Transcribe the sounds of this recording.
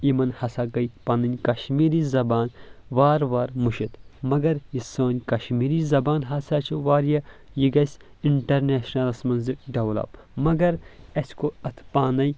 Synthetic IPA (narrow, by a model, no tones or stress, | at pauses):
imɐnhɐsaːɡɐjpaːnɐnʲkɐʃmiːɾiːzɐbaːnʋaːɾʋaːɾmuʃit̪ʰmɐɡɐɾjisoːnʲkɐʃmiːɾiːzɐbaːnɦɐsaːt͡ʃʰuʋaːɾjɐjiɡɐsʲ | iɳʈɐɾneːʃnɐlsmɐnzikɖɐwlɐ̰ːb | mɐɡɐɾɐsʲkoɐt̪ʰpaːnɐj